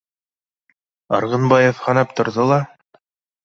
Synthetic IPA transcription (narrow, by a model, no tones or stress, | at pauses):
ɑ̰ɾʁɤ̆nbɑjofhɑnɑpt̪ŏɾðolˠɑ